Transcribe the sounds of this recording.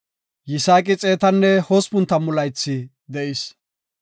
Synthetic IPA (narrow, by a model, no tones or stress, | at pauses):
jɪsaːkʼɪt͡sʼeːt̪ɐnːɛhoːspʊnt̪ɐmʊlɐjt͡sːɪ | d̪ɛʔɪs